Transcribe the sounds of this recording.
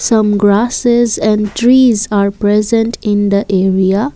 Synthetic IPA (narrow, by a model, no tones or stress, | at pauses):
sʌ̃mɡɾasezɛ̃ɳɖʈɾiːzaːɾpɾɛzə̃nʈɪ̃nd̪əʔeːɾia